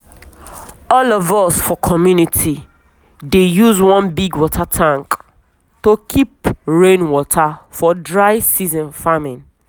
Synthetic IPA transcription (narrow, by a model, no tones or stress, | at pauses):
ɔlɔvɔsfɔkʰɔmjunitʰi | dejuzwɔ̃nbiɡwɔtʰatʰãŋk | tokʰipɹẽnwɔtʰafɔdɹaɪsizɔ̃nfamɪ̃n